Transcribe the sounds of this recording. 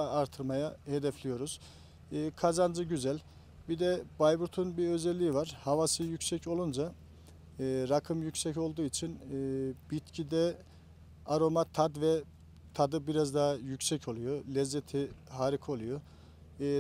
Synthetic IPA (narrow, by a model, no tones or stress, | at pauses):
ɾt̪ʰɯɾmajahed̪ɛflʲijo̞ɾuz̥ | ɯːkʰazand͡ʒɯɟyzælʲ | bid̪ɛbajbuɾt̪ʰunbiø̞zɛlʲːijivaɾ̥havasɯjycsɛco̞lˠund͡ʒa | ɯːɾakʰɯmjycsɛco̞lˠd̪uːit͡ʃʰinːb̥it̪cʰid̪ɛ | aɾo̞mat̪ʰad̪vɛ | t̪ʰad̪ɯbiɾazd̪aɦjycsɛcʰo̞lˠujolʲɛzːɛt̪ʰiɦaːɾikʰo̞lˠujo